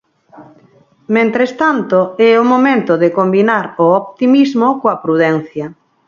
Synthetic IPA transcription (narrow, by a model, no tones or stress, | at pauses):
mẽnt̪ɾest̪ant̪oɛʊmomẽnt̪ʊðekombinaɾoɔpt̪imizmokoɐpɾuðɛn̟θjɐ